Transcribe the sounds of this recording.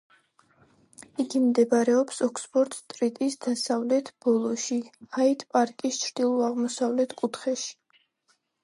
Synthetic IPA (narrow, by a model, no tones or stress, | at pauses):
iɡimd̪ɛbaɾɛɔpsɔkspʼɔɾt̪ʼst̪ʼɾit̪ʼisd̪asavlɛt̪ʰb̥ɔlˠɔʃiait̪ʰpʼaɾkʼist͡ʃʰɾd̪ilˠɔaʁmɔsavlɛt̪ʰkʼut̪ʰχɛʃi̥